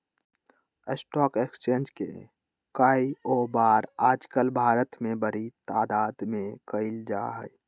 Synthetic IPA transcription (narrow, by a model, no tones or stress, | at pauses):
əsʈɔːkekst͡ʃẽːnd͡ʒkḛ | kaːioːbaːɾaːd͡ʒkəlbʱaːɾət̪mẽbəɾit̪aːd̪aːd̪mẽkəɪld͡ʒa̰ːɦɛj